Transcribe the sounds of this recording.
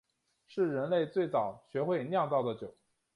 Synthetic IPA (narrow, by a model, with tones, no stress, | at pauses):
ʂɻ̩˥˩ɻə˧˥nle˥˧ɪt͡swe˥˩ɪt͡sɑ˨˩ʊɕɥɛ˧˥xwe˥˧ɪnjɑ˥˧ŋt͡sɑ˥˩ʊd̪ə˩t͡ɕjo˨˩˦ʊ